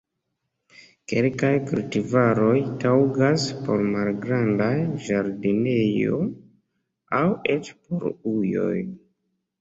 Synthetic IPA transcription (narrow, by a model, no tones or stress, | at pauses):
ke̞lkajkultivaɾo̞jtawɡaspo̞ɾmalɡɾandajʒaɾdine̞jo̞̰ | awe̞t͡ʃpoɾujo̞̰j